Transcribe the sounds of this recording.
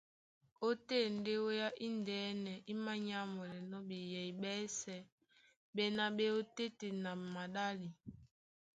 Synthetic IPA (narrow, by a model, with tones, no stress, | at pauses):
o˦te˦˨n˦de˦wo˦ja˦ʔi˦ndɛː˨˦nɛ˨ʔi˦ma˦ɲa˦mɔ˨lɛ˨nɔ˦bi˨jɛ˨i˨ɓɛ˦sɛ˨ | be˨na˨ɓe˦o˦te˦te˨na˨ma˨ɗa˦li˨